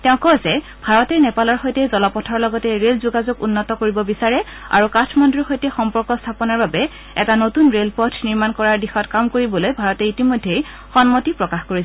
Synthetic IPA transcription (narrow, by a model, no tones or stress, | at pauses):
tɛʊ̃kɔzɛ | b̥ʱaɹɔtɛnɛpalɔɹxojtɛzɔlɔpɔtʰɔɹlɔɡɔtɛɹelzuɡazoɡunːɔtɔkoɹibɔbisaɹɛa̰ɹukatʰmɔndɹixojtɛxɔmpɔɹkɔstʰapɔnaɹbabɛ | ɛ̰tanotunɹelpɔtʰniɹmankɔɹaɹdixɔtkamkoɹibɔlojbʱaɹɔtɛitimojdʱːej | xɔnmotipɹɔkaxkoɹi